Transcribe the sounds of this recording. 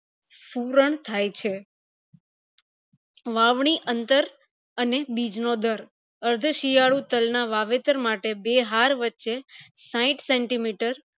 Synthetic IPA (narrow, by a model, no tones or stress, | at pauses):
fuɾəɳt̪ʰajt͡ʃʰe | ʋaʋɳ̃iʔənt̪əɾ | ənebid͡ʒnod̪əɾ | əɾd̪ʱəʃijaɭut̪əlnaʋaʋet̪əɾmaʈebeɦaɾʋətːʃesãĩʈseɳʈimiʈəɾ